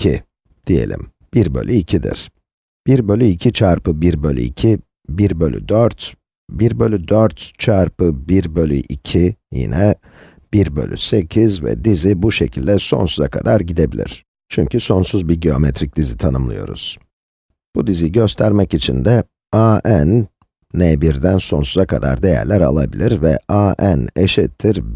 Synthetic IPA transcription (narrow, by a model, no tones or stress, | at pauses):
ḭ | d̪̥ije̞̰lʲḭm | b̥iɾbø̞̰lʲyicʰid̪ḭɾ̥ | b̥iɾbø̞lʲyicʰit͡ʃʰaɾpɯbiɾbølʲy̰icʰi | biɾbø̞lʲy̰d̪øɾt̪ | biɾbø̞lʲyd̪øɾt̪t͡ʃʰaɾpɯbiɾbø̞lʲy̰ʔicʰijḭnɛ | b̥iɾbø̞̰lʲy̰se̞cʰizvɛ̰d̪izibuʃecʰilʲd̪ɛso̞̰nsuzakʰad̪aɾɟid̪e̞bilʲḭɾ̥ | t͡ʃʰyɲcʰyso̞nsuzbiɟeo̞met̪ʰɾic̚d̪izit̪ʰanɯmlˠɯ̰jo̞̰ɾṵz̥ | b̥ud̪iziɟø̞st̪ʰæɾmɛcit͡ʃʰḭnd̪ɛ | aːʔænː | ɛbiɾd̪ænso̞nsuzakʰad̪a̰ɾd̪ejæ̰ɾlʲæɾa̰lˠabilʲiɾvɛ̰ʔaːʔæneʃɛt̪ʰːiɾ